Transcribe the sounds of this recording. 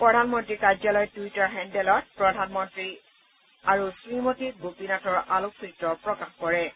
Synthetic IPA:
pɹɔdʱanmɔntɹikazalɔjtuitaɹɦɛndɛlɔt̚pɹɔdʱanmɔntɹi | aɹusɹimotik̚ɡopinatɔɹʔaloksɹitːɹɔpɹɔkaxkɔɹɛ

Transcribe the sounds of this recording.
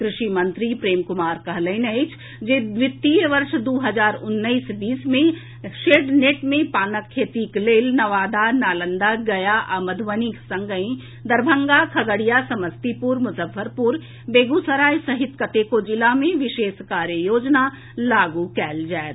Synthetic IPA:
kɾɪʃimə̃nt̪ɾipɾeːmkʊmaːɾkɐɦləɪnəɪt͡ʃʰ | d͡ʒeʋɪt̪ːiʋəɾʃd̪uːɦəzaːɾʊnːəisbiːsmẽ | ʃeːɖneːʈmẽpaːnəkʰːeːt̪ikleːlnɐʋaːd̪anaːlə̃nd̪aɡɐjaʔaməd̪ʱʋəniksɐ̃ŋɡəĩ | d̪ɐɾbʱə̃ŋɡakʰɐɡəɽijasɐməst̪ipuɾmʊsəfʰəɾpuɾ | beːɡusəɾaːjsɐɦɪt̪kət̪ekod͡ʒɪlamẽʋɪʃeːʃkaːɾjəjoːd͡ʒna | laːɡukɛːld͡ʒaːet̪

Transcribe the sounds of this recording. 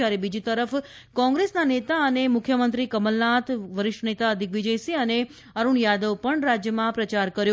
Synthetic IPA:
aɾibid͡ʒit̪əɾəfkɔ̃ŋɡɾesnanet̪aənemʊkʰjəmənt̪ɾikəməlnat̪ʋəɾɪʂʈənet̪aəd̪ʱikʋid͡ʒəjsiəne | əɾuɳjad̪əʋpəɳɾad͡ʒjəmãpɾət͡ʃaɾkəɾjo

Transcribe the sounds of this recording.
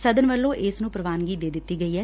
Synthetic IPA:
səd̪ənʋəlːõːʔɪsnũːpɾəʋaːnɡiːd̪eːd̪ɪt̪ːiːɡəiːɦɛː

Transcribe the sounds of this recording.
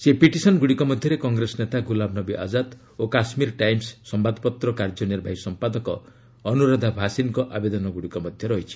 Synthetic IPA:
sepiʈisɔnɡuɽikɔmɔd̪ʱjɔɾekɔŋɡɾesɔnet̪aɡulabnɔbiʔa̰d͡ʒad̪ | okasmiɾʈajmsːɔmbad̪pɔt̪ɾɔkaɾd͡ʒɔneɾbʱajsɔmpad̪ɔkɔː | nuɾad̪ʱabʱasinkɔʔabed̪ɔnɔɡuɽikɔmɔd̪ʱjɔɾɔɦit͡ʃʰi̥

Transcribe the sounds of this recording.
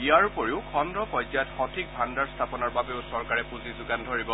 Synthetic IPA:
ijaɹpoɹiʊkʰɔndɹɔpɔjzajɔtxɔtʰik̚bʱandaɹst̪ʰapɔnɔɹbabeʊsɔɹkaɹɛpuzizʊɡandʱoɹibɔ

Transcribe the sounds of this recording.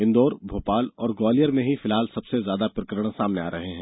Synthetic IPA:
ɪ̃nd̪oːɾbʱoːpaːlɔːɾɡɔːlijəɾmẽɦifɪlɦaːlsɐbsezjaːd̪apɾɪkɾəɽ̃saːmneaːɾɐɦeɦɛ̃ː

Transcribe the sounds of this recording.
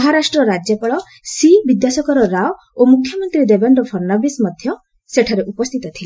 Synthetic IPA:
ɔɦaɾasʈɾɔɾad͡ʒjɔpaɭɔ | sibid̪jasɔkɔɾɔɾaw | omukʰːjɔmɔnt̪ɾid̪ebeɳɖɔpʰɔɾnabismɔd̪ʱjɔ | seʈʰaɾeʔupɔst̪ʰit̪ɔt̪ʰile

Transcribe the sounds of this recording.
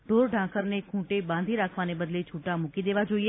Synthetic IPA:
ɖʱoːɾɖʱãːkəɾnekʰũːʈebãːnd̪ʱiɾaːkʰʋanebəd̪let͡ʃʰuʈamʊkid̪eːʋad͡ʒoːie

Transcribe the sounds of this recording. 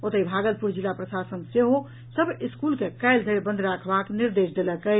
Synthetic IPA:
ot̪əibʱaɡəl̚puɾd͡ʒilːapɾəsasənseɦo | səbʱiskulkekaɪld̪ʱeebə̃nd̪ʱɾakʰbakniɾd̪esd̪eləkə

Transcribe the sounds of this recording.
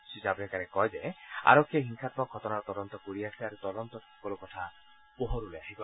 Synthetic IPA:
sisapunekaɾekɔɦed͡ʒea̰ɾɔkʰːjeɦiŋkʰat̪̚bɔɡʰʱɔt̪ɔnaɾɔt̪ɔd̪ɔnt̪ɔkoɽiasiaɾut̪ɔd̪ɔnt̪ɔtʰɔkɔlɔkɔt̪ʰa | pɔɦɔɾuleaɦikɔ

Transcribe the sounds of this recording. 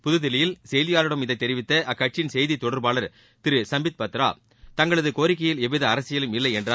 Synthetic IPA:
pʊðɯðɪlɐjɪlsɛjðɪjaːlɯɽɐmɪðɐɪt̪ːɛɾɪʋɪt̪ːɐʔɐkːɐʈ̚t͡ʃɪnsɛjðit̪ːɔɽɐɾbaːlɐɾ | t̪ɪɾɯsɐmbɪt̪̚pɐt̪ːɾa̰ː | t̪ɐŋɡɐɭɐðɯkoːɾɪk̬ːɐjɪlɛʋɪðɐɐɾɐsɪjɐlɯmɪlːɐɪɛndraː

